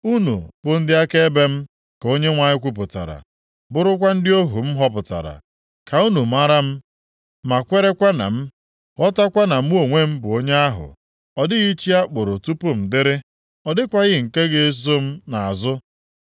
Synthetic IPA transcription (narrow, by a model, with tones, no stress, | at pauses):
u˦nṵ˨b̥ʊ˨n̩˦dɪ˦a˦ke˦e˦be˦m̩˦ | ko˦ɲe˦ŋʷa˨ɲɪ˦kʷu˦p̬ʊ˨ta̰˨ɾa̰˨ | bʊ˦ɾʊ˦kʷa˦n̩˦dɪ˦o˦ɦu˨m̩˦ɦɔ˦p̬ʊ˨ta̰˨ɾa̰˨ | ka˨u˦nu˨m̩a˦ɾa˦m̩˦ | ma˨kʷe˦ɾe˦kʷa˦na̰˨m̩˦ | ɔ˦ta˦kʷa˦na˨m̩˦o˨ŋʷe˦m̩˦bʊ˨o˦ɲe˦a˦ɦʊ̰˨ | ɔ˨dɪ˦ɣi˦t͡ʃi˦a˦k͡pʊ˨ɾʊ˨tu˦pʊ˦m̩˨dɪ˦ɾɪ˦ | ɔ˨dɪ˦kʷa˦ɣɪ˦˨ŋ̩˨ke˦ɡe˦e˦zo˦m̩˦na˨a˨zʊ˦